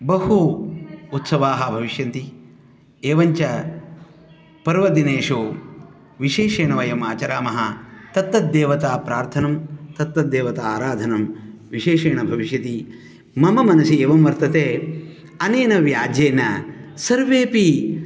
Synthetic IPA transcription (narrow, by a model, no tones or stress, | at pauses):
bɐhu | ut̪sɐʋaːɦɐbʱɐʋiʃjɐnt̪i | eːʋɐɲt͡ʃɐ | pɐɾʋɐd̪ineːʂoː | ʋiʃeːʂeːɳɐʋɐjɐmaːt͡ʃɐɾaːmɐɦɐt̪ɐt̪ːɐd̪eːʋɐt̪aːpɾaːɾt̪ʰɐnɐmt̪ɐt̪ːɐd̪eːʋɐt̪ɐaːɾaːd̪ʱɐnɐmʋiʃeːʂeːɳɐbʱɐʋiʃjɐt̪i | mɐmɐmɐnɐsieːʋɐmʋɐɾt̪ɐt̪eː | ɐneːnɐʋjaːd͡ʒeːnɐ̰sɐɾʋeːpi